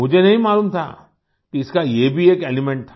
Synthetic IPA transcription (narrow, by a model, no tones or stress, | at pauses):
mʊd͡ʒʱenɐɦĩmaːlumt̪ʰa̰ː | kiɪskajebʱieːkeːlimɛ̃ɳʈ̚t̪ʰa